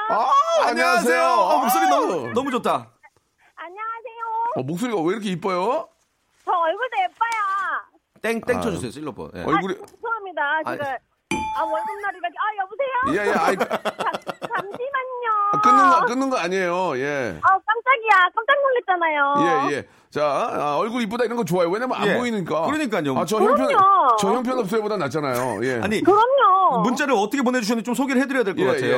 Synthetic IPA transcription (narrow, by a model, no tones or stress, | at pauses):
aaɲias̬ʰe̞joːmok̚s͈oɾinʌmunʌmud͡ʑotʰa | aɲaasʰe̞joʌmok̚s͈oɾiɡaweiɾʌkʰeip͈ʌjo | t͡ɕʌʌɭɡuɭdep͈aja | t͈eŋt͈eŋt͡ɕʰʌd͡ʑusʰe̞joɕ͈ʰiɭːop͈ʰʌ̰jḛʌ̰ɭaɡuɾipusʰoŋɦamɲidat͡ɕeɡa | awʌnsʰʌmnaɾiɡakajʌbusʰe̞jojejeaiat͡ɕamimaɲiɲoak͈ɯnːɯnɡʌk͈ɯnːɯnɡʌaɲiejoje̞ak͈amt͡ɕ͈aɡiak͈amk͈aŋdʌŋɡet̚t͡ɕ͈anajoje̞je̞ | t͡ɕaaʌɭɡuɾip͈odaiɾʌnɡʌt͡ɕoajowe̞nabʌnaajmboinɯɲik͈akɯɾʌɲik͈aɲioat͡ɕʌjʌŋpʰjʌot͡ɕʌçjʌŋpʰjʌnʌps͈ɯebodanat͡ɕ͈anaj̰o̰je̞̰a̰ɲikɯɾʌɲomunt͡ɕ͈aɾɯɭʌtʰʌkʰep̬one̞d͡ʑuɕʰinɯd͡ʑit͡ɕomsʰoɡiɾɭhedɯɾjadwekkɔkatʰejo